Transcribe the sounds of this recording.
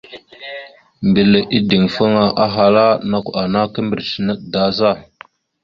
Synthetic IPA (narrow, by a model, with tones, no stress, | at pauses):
mbi˨lə˨ʔi˦di˨ŋfə˦ŋa˨ʔa˦ɦa˨la˦na˦kʷa˨na˦kə˦mbə˨ɾsi˨nə˦ɗda˦za˦˨